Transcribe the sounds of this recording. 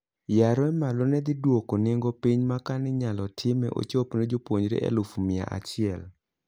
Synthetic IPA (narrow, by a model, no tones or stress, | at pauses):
jaɾɔɛmalɔnɛd̪ɪdwokonɪŋɡopiɲmakanɪɲalɔtʰɪmɛ̰ʔo̰t͡ʃopned͡ʒopwoɲɾḛʔɛ̰lʊfmɪa̰ʔa̰t͡ʃɪɛl